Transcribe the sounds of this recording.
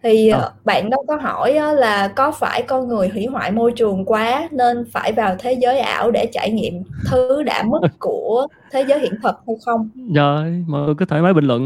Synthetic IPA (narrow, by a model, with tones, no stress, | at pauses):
t̪ʰi˨˩ɓa̰ː˧˨nɗə˨˧˦wkɔ˨˦ɦɔ˧˩jʔɔ˨˦laː˨˩kɔ˨˦faː˧˩jkɔ˧nŋɨ˨˩əjɦwḭ˧˥ɦwa̰ː˧˨jmo˧jt͡ɕɨ˨˩əŋkwaː˨˦ne˧nfaː˧˩jvaː˨˩wt̪ʰe˨˦zəː˨˦jʔa̰ː˧˩wɗe˧˩t͡ɕa̰ː˧˨jŋḭ˧˨əmt̪ʰɨ˦ɗa̰ː˧˩mɨ˦˥k̚ku˧˩ə | t̪ʰe˨˦zəː˨˦jhḭ˧˨ənt̪ʰə˨˩t̚hə˧wŋ͡mxə˧wŋ͡mzəː˧jməː˨˩t̪u˧kɨː˨˦˥t̪ʰəː˧˩jmaː˨˦ɓï˨˩ŋ̟lwə̰˧˨n